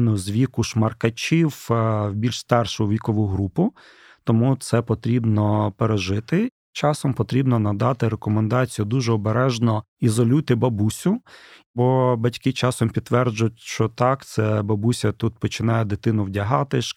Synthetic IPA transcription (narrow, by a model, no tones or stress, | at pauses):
nʊzʋʲikʊʃmɐrkɐt͡ʃʲiwwbʲilʲʃst̪ɑrʃʊʋʲikɔʋʊɦɾupʊ | t̪ɔmut̪sɛpɔt̪ɾʲibnɔpeɾeʒɪt̪ɪ | t͡ʃɑsɔmpɔt̪ɾʲibnɔnɐd̪ɑt̪ɪɾekɔmend̪ɑt͡sʲijʊd̪uʒɛɔbeɾɛʒnɔ | izɔlʲujt̪ɪbɐbusʲʊ | bɔbɐtʲkɪt͡ʃɑsɔmpʲid̪ːʋɛrd͡ʒʊjʊtʲʃt͡ʃɔt̪ɑkt̪sɛbɐbusʲɐt̪ut̪̚pɔt͡ʃɪnɑjɛd̪ɪt̪ɪnʊwdʲɐɦɑt̪ɪʃ